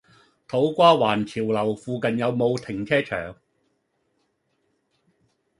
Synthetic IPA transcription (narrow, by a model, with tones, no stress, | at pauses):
t̪ʰo˨˥wkʷaː˥waː˨˩nt͡sʰiː˨˩wlɐ˨˩wfuː˧kɐ˨njɐ˨˧wmo˨˧wt̪ʰɪ˨˩ŋt͡sʰɛː˥t͡ʃʰœ̰ː˨˩ŋ